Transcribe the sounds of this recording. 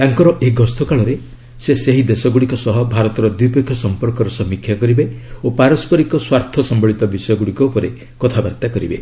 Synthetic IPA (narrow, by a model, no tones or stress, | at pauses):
t̪aŋkɔɾɔʔeɡɔst̪ʰɔkaɭɔɾe | seseɦid̪esɔɡuɽikɔsɔɦɔbʱaɾɔt̪ɔɾɔd̪wipekʰjɔsɔmpɔɾkɔɾɔsɔmikʰːjakɔɾibeopaɾɔspɔɾikɔswaɾt̪ʰɔsɔmbɔɭit̪ɔbisɔjɔɡuɽikɔupɔɾe | kɔt̪ʰabaɾt̪akɔɾibḛ